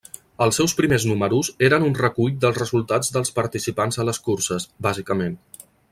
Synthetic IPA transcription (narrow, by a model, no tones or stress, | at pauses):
əlˠsːɛwspɾimeznuməɾuzeɾənunrəkuʎd̪əlˠzrəzulˠt̪ad͡zðəlˠspəɾt̪isipanzələskuɾsəsbazikəmen